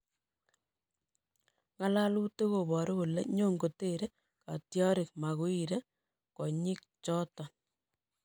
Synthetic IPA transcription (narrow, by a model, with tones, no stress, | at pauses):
ŋa˦la˦lu˦te˦ko˨bɔ˨ɾo˦ku˨le˦ɲo˦ŋɡo˨te˦ɾe˦ | ka˨tjɔ˦ɾɪ˨k̚ma˨ɣu˦i˦ɾe˦ | kɔ˨ɲɪ˦k̚t͡ʃɔ˦tɔ˨